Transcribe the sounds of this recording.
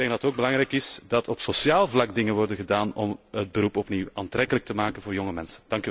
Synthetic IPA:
dɛŋɡ̚dɑətoːɡ̚bəlɑŋɾɛjkɪsdɑtʰɔpsosjaːlˠvlɑɡdɪŋənʋɔrdənɣədaːnɔmɦəd̚bəɾupɔpniwaːntɾɛkələk̚təmaːkənvoːrjɔŋəmɛnsə̥nd̥ɑŋky

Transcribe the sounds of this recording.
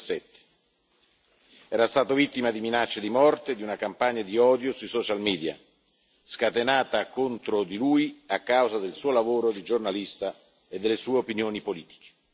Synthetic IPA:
sɛt̪ːe̥ | ɛːɾast̪aːt̪ovit̪ːimad̪iminat͡ʃːed̪imɔrt̪ed̪iunakampaɲːad̪iɔːd̪josujsɔt͡ʃalmiːd̪ja̰ | skat̪enaːt̪akont̪ɾod̪ilujiakːawzad̪elsuːolavoːɾod̪id͡ʒornalist̪a | ed̪ːelːesuːeopinjoːnipoliːt̪i̥k̟e̥

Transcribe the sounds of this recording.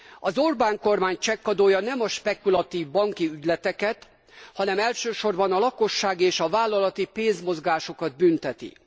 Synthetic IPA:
ɒzorbaːŋko̞rmaːɲt͡ʃɛkːɒd̪oːjɒnɛmɒʃpɛkulɒt̪iːvbɒŋkiyɟlɛt̪ɛkɛt̪ | hɒnɛmɛlʃøːʃo̞rbɒnɒlɒko̞ʃːaːɡeːʃɒvaːlːɒlɒt̪ipeːnzmo̞zɡaːʃokɒd̪̚bynt̪ɛt̪ḭ

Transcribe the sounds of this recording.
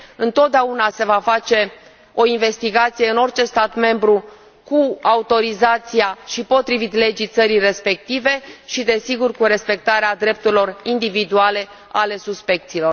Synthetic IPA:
ɨnt̪o̞t̪̚d̪eaunase̞vafat͡ʃe̞ | o̞inve̞st̪iɡat̪sije̞ɨno̞rt͡ʃe̞st̪at̪me̞mbɾu | kuaut̪o̞ɾizat̪siaʃipo̞t̪ɾivit̪le̞d͡ʒijt̪səɾijre̞spe̞k̚t̪ive̞ʃid̪e̞siɡurkuɾe̞spe̞k̚t̪aɾead̪ɾe̞p̚t̪uɾilo̞rind̪ivid̪uale̞ | ale̞suspe̞k̚t̪siːlo̞r

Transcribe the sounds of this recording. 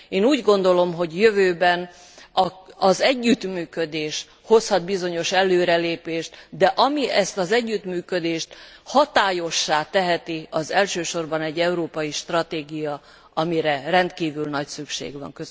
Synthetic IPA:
eːnuːɟɡo̞nd̪o̞lo̞mɦo̞ɟjøvøːbɛn | ɒɒzɛɟːyt̪myːkød̪eːʃ | ho̞shɒd̪bizo̞ɲo̞ʃɛlːøːɾɛleːpeːʃt̪d̪ɛʔɒmiɛst̪ɒzɛɟːyt̪myːkød̪eːʃt̪hɒt̪aːjo̞ʃːaːt̪ɛɦɛt̪iɒzɛlʃøːʃo̞rbɒnɛɟːɛuɾoːpɒjiʃt̪rɒt̪eːɡijɒ | ɒmiɾɛrɛnt̪kiːvylnɒcsykʃḛːɡvɒ̰ŋkø

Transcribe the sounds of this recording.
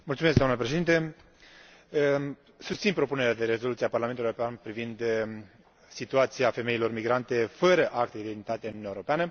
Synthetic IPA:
mult̪sumeskd̪amnəpɾeʃe̞d̪int̪e | sust̪sinpɾo̞pune̞ɾead̪e̞ɾe̞zolut̪iaparlament̪ueɾopeanpɾivind̪ | sit̪uat̪siafe̞me̞ilo̞rmiɡɾant̪e̞fəɾəʔak̚t̪eid̪enit̪at̪enunʲaeoɾo̞peanə

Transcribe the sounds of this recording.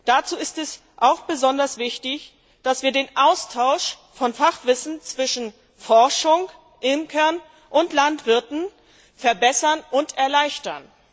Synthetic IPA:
d̥at͡suːɪstɛs | ʔaʊxb̥əzɔndɐsv̥ɪçtɪç | d̥asv̥iːɐdeːnʔaʊstʰaʊʃ | fɔnfaχv̥ɪsn̩t͡sv̥ɪʃn̩ | fɔɐʃʊŋ | ʔɪmkʰɛɐn | ʔʊntlantv̥ɪɐtn̩ | fɛɐbɛsɐnʔʊntɛɐlaɪçtɐn

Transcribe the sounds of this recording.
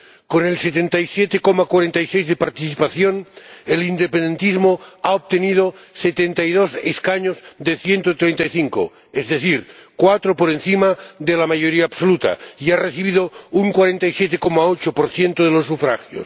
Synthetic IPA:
konelset̪ent̪ajsjet̪ekomakwaɾent̪ajsejzðepaɾt̪iθipaθjonelind̪epend̪ent̪izmoaop̚t̪enið̞oset̪ent̪ajð̞oseskaɲozðeθjent̪ot̪ɾejnt̪ajθiŋko̰ | ezðeθiɾkwat̪ɾopoɾenθimaðelamaʝoɾiaːbsolut̪a̰iareθiβ̞iðouŋkwaɾent̪ajsjet̪ekomaot͡ʃopoɾθjent̪oð̞elosːufɾaxjo̰s

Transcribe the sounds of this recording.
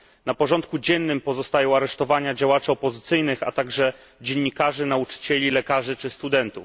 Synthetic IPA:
napɔʐɔnt̪̚kud͡ʑɛnːɘmpɔzɔst̪ajɔ̃w̃aɾɛʂt̪ɔvaɲad͡ʑawat͡ʂɘɔpɔzɘt̪sɘjnɘxa̰t̪aɡʐɛ | d͡ʑeɲːikaʐɘnaut͡ʂɘ̥t͡ɕɛlʲilɛkaʐɘt͡ʂɘst̪ud̪ɛnt̪uf

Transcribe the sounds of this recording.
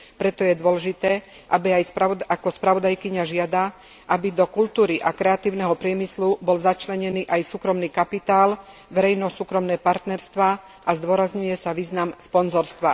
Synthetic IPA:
pɾɛt̪ɔjɛd̪ʊɔlɛʒit̪ɛː | ʔabiajsaakɔspɾaʋɔd̪ajkiɲaʒɪad̪a | ʔabid̪ɔkult̪uːɾiʔakɾɛat̪iːʊnɛɦɔpɾɪɛmislubɔlzat͡ʃlɛɲɛniːʔajsuːkɾɔmniːkapit̪aːl | ʋɛɾɛjnɔsuːkɾɔmnɛːpaɾt̪nɛɾst̪ʋaː | ʔazd̪ʊɔɾazɲujɛsaʋiːznamspɔnzɔɾst̪ʋa

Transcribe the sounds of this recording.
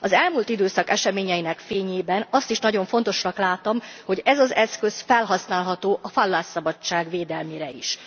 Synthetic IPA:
ɒzɛlmuːlt̪id̪øːsɒkɛʃɛmeːɲɛjinɛkfeːɲeːbɛnɒst̪iʃnɒɟo̞ɱfo̞nt̪o̞ʃnɒklaːt̪omho̞ɟɛzɒzɛskø̞sfɛlɦɒsnaːlɦɒt̪oːʔɒfɒlːaːsːɒbɒt͡ʃːaːɡʋeːd̪ɛlmiːɾɛḭʃ

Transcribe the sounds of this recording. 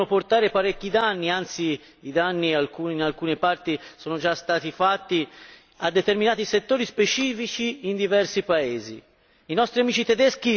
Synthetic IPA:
noport̪aːɾepaɾekːid̪anːiant̪si | id̪anːialkuːninalkuːnepart̪isɔːnod͡ʒast̪aːt̪ifat̪ːi | ad̪ːet̪erminaːt̪iset̪ːoːɾispet͡ʃiːfit͡ʃiːnd̪ivɛrsipaeːzḭ | inɔst̪ɾiamiːt͡ʃit̪ed̪ɛsk̟i

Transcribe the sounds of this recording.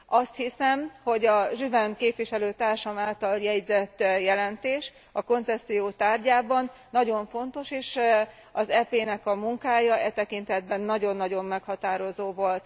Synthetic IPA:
ɒst̪hisɛmho̞ɟɒʒyvɛnkeːpʋiʃɛløːt̪aːrʃɒmaːlt̪ɒljɛɟzɛt̪ːjɛlɛnt̪eːʃ | ɒko̞nt̪sɛsːijoːt̪aːrɟaːbɒnːɒɟo̞ɱfo̞nt̪o̞ʃeːʃ | ɒzɛpeːnɛkɒmuŋkaːjɒʔɛt̪ɛkint̪ɛd̪̚bɛnːɒɟo̞nːɒɟo̞mːɛkhɒt̪aːɾo̞zoːvo̞lt̪

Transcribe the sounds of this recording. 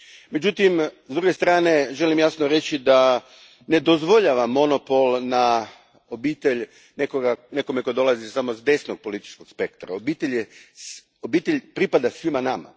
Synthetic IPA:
me̞d͡ʑut̪imzd̪ɾuɡe̞st̪ɾaːne̞ʒe̞limjasnoɾe̞t͡ɕid̪a | ne̞d̪o̞zʋo̞ʎaʋamːo̞no̞po̞lˠna | o̞biːt̪eʎ | nekoɡane̞kome̞ko̞d̪o̞lazisamo̞zd̪e̞sno̞ɡ̚po̞lit̪i̥t͡ʃko̞ɡ̥spe̞kt̪ɾa̰obiːt̪eʎe | obiːt̪e̞ʎʲpɾipad̪asʋimanama̰

